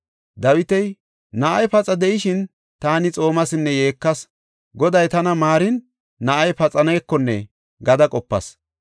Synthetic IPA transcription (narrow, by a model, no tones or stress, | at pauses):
d̪ɐwɪt̪ɛj | nɐʔɐjpɐt͡sʼɐd̪ɛʔɪʃɪn | t̪aːnɪt͡sʼo̞ːmɐsɪnːɛjeːkːɐs | ɡɔd̪ɐjt̪ɐnɐmaːɾɪnː | ɐʔɐjpɐt͡sʼɐnɛjkːɔnːɛ | ɡɐd̪ɐkʼɔpːɐ̰s